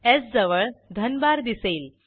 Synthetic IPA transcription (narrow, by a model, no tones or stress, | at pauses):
et͡sd͡zəʋəɭd̪ʱənbaɾd̪iseil